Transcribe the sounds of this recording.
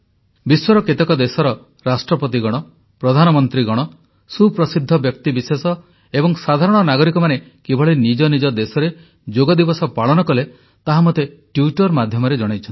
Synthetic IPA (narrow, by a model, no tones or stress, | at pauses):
biswɔɾɔket̪ekɔd̪esɔɾɔ | ɾasʈɾɔpɔt̪̬iɡɔɽ̃ɔ | pɾɔd̪ʱanɔmɔnt̪ɾiɡɔɽ̃ɔ | supɾɔsid̪ʱːɔbjɔk̚t̪ibisesɔ | ebɔŋsad̪ʱaɾɔɽ̃ɔnaɡɔɾikɔmane | kebʱɔɭenid͡ʒɔnid͡ʒɔd̪esɔɾe | d͡ʒoɡɔd̪ibɔsɔpaɭɔnɔkɔle | t̪aɦamɔt̪eʈjuʈɔɾmad̪ʱjɔmɔɾed͡ʒɔɽ̃ajt͡ʃʰn